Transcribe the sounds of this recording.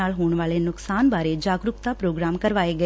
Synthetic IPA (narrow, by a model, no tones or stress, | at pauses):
aːlɦoːɳ̃ʋaːlenʊksaːnbaːɾed͡ʒaːɡɾʊkt̪aːpɾoːɡɾaːmkəɾʋaːeːɡə